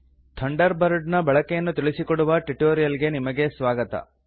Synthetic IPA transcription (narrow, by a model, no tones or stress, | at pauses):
t̪ʰɐɳɖɐɾbɐɾɖnɐbɐɭɐkɛjɐnːut̪iɭisikoɽuʋɐʈiʈoːɾijɐlɡe̞nimɐɡe̞sʋaːɡɐt̪ɐ̰